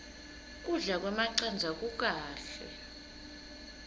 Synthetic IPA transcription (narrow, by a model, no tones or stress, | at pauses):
kʼuɮak̬ʼwɛmaǀand͡zʱak̬ʼuk̬ʼaːɬɛ̰